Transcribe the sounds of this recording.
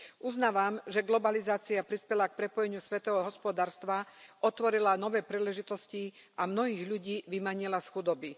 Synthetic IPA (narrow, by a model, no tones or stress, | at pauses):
ʔuznaːʋamʒɛɡlɔbalizaːt͡siapɾispɛlak̚pɾɛpɔjɛɲɪusʋɛt̪ɔʋɔɦɔspɔd̪aːɾst̪ʋaʔɔt̪ʋɔɾilanɔʋɛːpɾiːlɛʒit̪ɔsci | ʔamnɔɦiːɣʎuɟiːʋimaɲilasxud̪ɔbi